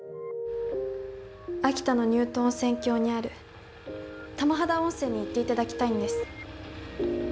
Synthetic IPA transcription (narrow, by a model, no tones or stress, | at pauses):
akʲi̥t̪ano̞ɲ̟ɨːt̪õ̞nsẽ̞ŋkʲo̞ːɲ̟iaɾɯ̟ | t̪amaɦad̪aõ̞ɰ̃se̞ːɲ̟ːiːt̪ːe̞it̪ad̪akʲi̥t̪aĩnd̪e̞sɨ̥